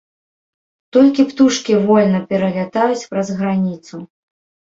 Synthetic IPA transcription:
t̪ɔlʲkʲipt̪uʂkʲivɔlʲnɐpʲɛɾɐlʲat̪ajut͡sʲpɾɐzɣɾanʲit̪su

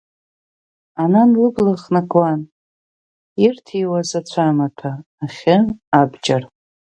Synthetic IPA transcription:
ananlɨblaχnakʼwan | irtʰiwazat͡ɕʷʰamatʰaː | χʲɪabd͡ʒar

